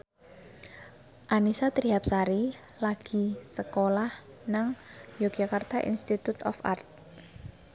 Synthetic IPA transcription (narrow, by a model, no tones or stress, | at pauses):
ʔanisat̪ɾiɦap̚saɾi | laɡ̥i̤səkolah | naŋjoɡ̥akart̪aʔḭnst̪it̪ut̪ɔ̰fa̰rt̪̚